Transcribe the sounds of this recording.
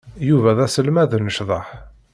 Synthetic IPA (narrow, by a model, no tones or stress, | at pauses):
juvæðæsəlmæðənəʃðˤɑħ